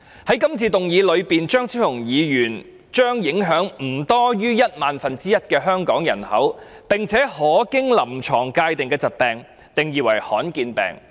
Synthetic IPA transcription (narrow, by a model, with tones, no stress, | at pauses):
hɐ˨˥jkɐ˥mt͡sʰiː˧t̪ʊ˨ŋjiː˨˧lɵ˨˧ɥpiː˨nt͡ʃœː˥ŋsʰi˥ʊ˨˩ŋjiː˨˧jyː˨˩n | t͡ʃœː˥ŋjɪ˨˥ŋɦœː˨˥ŋm̩˨˩t̪ɔː˥jyː˥jɐ˥t̚maː˨nfɐ˨nt͡siː˥jɐ˥t̚kɛː˧ɦœː˥ŋkɔː˨˥ŋjɐ˨˩nhɐ̰˨˥wpɪ˨ŋt͡sʰɛː˨˥hɔː˨˥kɪ˥ŋlɐ˨˩mt͡ʃʰɔː˨˩ŋkaː˧jt̪ɪ˨ŋkɛː˧t͡sɐ˨t̚pɛː˨˩ŋ | t̪ɪ˨ŋjiː˨˧wɐ˨˩jhɔː˨˥nkiː˧npɛ̰ː˨˩ŋ